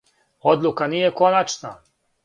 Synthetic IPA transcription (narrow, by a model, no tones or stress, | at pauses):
o̞d̪lˠukaniːjeko̞nat͡ʃna̰